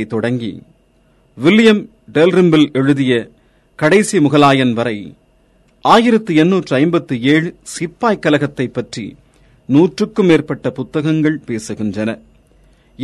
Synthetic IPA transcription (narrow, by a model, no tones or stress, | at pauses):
ɪt̪ːɔɽɐŋɡḭ | ʋɪljɐm | ɖɛlɾɪmbɪlɛɻɯðɪjɐ | kɐɽɐɪsimʊɣɐlaːjɐnʋɐɾɐɪ | ʔaːjɪɾɐt̪ːɯɛnːuːʈrɐɪmbɐt̪ːɯeːɻɯsɪpːaːjkːɐlɐɣɐt̪ːɐɪpːɐʈrḭ | nuːʈrɯkːɯmeːrpɐʈːɐpʊt̪ːɐɣɐŋɡɐɭpeːsɯɣɪndrɐnɐ